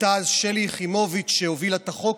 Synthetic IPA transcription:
tazʃeliχimo̞vit͡ʃʃehovilat̪aχok

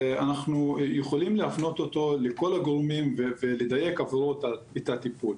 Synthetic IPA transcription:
anaχnujeχo̞limleafno̞t̪o̞t̪o̞leko̞laɡoʁmimveveled̪aje̞kavɾot̪aet̪at̪ipul

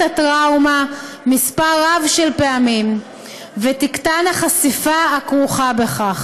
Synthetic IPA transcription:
atʁawma | mispaʁavʃelpeamim | vetiktanaχasifaakʁuχabe̞χaχ

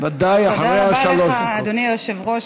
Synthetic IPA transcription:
vad̪ajaħaɾeaʃaloʃd̪onioʃevʁo

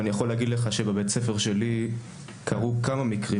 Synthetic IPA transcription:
anijaχo̞leaɡid̪leχaʃebebett͡sefeʁʃe̞li | kʰaʁukamamikʁi

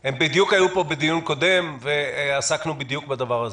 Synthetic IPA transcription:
hembid̪jukajupo̞bed̪ijunko̞d̪e̞mveasaknubid̪jukbad̪avaʁaz

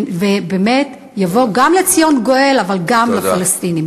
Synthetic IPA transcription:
vebeme̞t | javo̞ɡamlet͡sijonɡo̞e̞lavalɡamlafalast̪inim

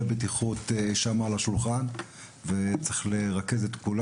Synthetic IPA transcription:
betiχut̪eʃamaːlaʃulχan | vet͡seχleʁake̞zetkul

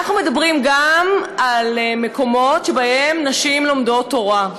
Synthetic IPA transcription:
aχnume̞dabʁimɡamalme̞ko̞mo̞tʃebaʔemnaʃimlo̞mdo̞tːo̞ʁa

